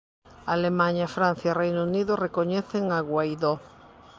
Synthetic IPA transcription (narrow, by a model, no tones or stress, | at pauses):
alemãɲafɾãn̟θjarejnouniðʊrekoɲɛθeŋaɣwajðo